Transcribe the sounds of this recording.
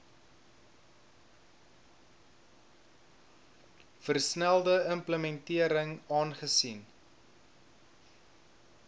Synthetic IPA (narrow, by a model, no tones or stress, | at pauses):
fərsnælˠdəəmpləmɛntiəɾəŋɑːnχəsin